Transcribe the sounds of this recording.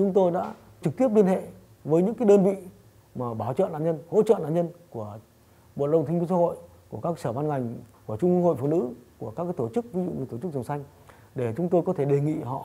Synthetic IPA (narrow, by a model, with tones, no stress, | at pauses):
t͡ɕʊ˨˦ŋ͡mt̪o˧jɗa̰ː˧˥ | t͡ɕɨ˨˩k̚t̪i˦˥əp̚li˧ənhḛ˧˨ | vəː˨˦jɲɨ̰˧˥ŋkaː˨˦jɗəː˧nvḭ˧˨ | maː˨˩ɓaː˨˧˩wt͡ɕə̰ː˧˨na̰ː˧˨ɲə˧nho̰˧˥t͡ɕə̰ː˧˨na̰ː˧˨ɲə˧nku˧˩ə | ɓo̰˧˨ɗə˧wŋ͡mt̪ʰi˧vi˧saː˧˥ho̰˧˨j | ku˧˩əkaː˦˥ksəː˧˩va˧nŋa˨˩jŋ̟ku˧˩ət͡ɕʊ˧ŋ͡mə˧ŋho̰˧˨jfṵ˧˨nɨ̰˧˥ku˧˩əka˦˥kːaː˨˦jt̪o˧˩t͡ɕɨ˦˥k̚vi˧zṵ˧˨ɲɨ˧˩t̪o˧˩t͡ɕk̚zə˨˩wŋ͡msa˧jŋ̟ | ɗe˧˩t͡ɕʊ˨˦ŋ͡mt̪o˧jkɔ˨˦t̪ʰe˧˩ɗe˨˩ŋḭ˧˨ɦɔ̰˧˨